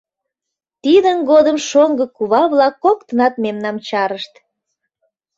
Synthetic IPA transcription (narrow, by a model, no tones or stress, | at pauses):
t̪id̪ənɡod̪əmʃoŋɡəkuβɑβlɑkːokt̪ənɑt̪̚memnɑmt͡ɕɑɾəʃt̪